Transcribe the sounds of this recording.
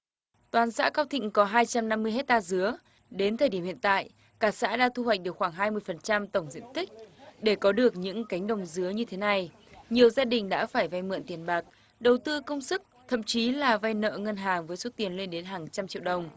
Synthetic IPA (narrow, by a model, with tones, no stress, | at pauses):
t̪waː˨˩nsa̰ː˧˥kaː˧wt̪ʰḭ̈˧˨ŋ̟kɔ˨˦ɦaː˧jt͡ɕa˧mna˧mːɨ˧əjɦe˦˥t̚t̪aː˧zɨ˨˦ə | ɗe˨˦nt̪ʰəː˨˩jɗi˧˩əmhḭ˧˨ənt̪a̰ː˧˨j | kaː˧˩sa̰ː˧˥ɗa̰ː˧˥t̪ʰu˧hwa˨˩k̟̚ɗɨ˨˩əkxwaː˧˩ŋɦaː˧jmɨ˧əjfə˨˩nt͡ɕa˧mt̪ə˧˩wŋ͡mzḭ˧˨əmt̪ï˦˥k̟̚ɗe˧˩kɔ˨˦ɗɨ˨˩ək̚ɲɨ̰˧˥ŋka˨˦jŋ̟ɗə˨˩wŋ͡mzɨ˨˦əɲɨ˧t̪ʰe˨˦na˨˧˩j | ɲi˨˩əwzaː˧ɗï˨˩ŋ̟ɗa̰ː˧˥faː˧˩jva˧jmɨ̰˧˨nt̪i˨˩ənɓaː˨˩k̚ | ɗə˨˩wt̪ɨ˧kə˧wŋ͡msɨ˦˥k̚t̪ʰə̰˧˨mt͡ɕi˨˦laː˨˩va˧jnə̰ː˧˨ŋə˧nɦaː˨˩ŋvəː˨˦jso˦˥t̪i˨˩ənle˧nɗe˨˦nɦaː˨˩ŋt͡ɕa˧mt͡ɕḭ˧˨wɗə˨˩wŋ͡m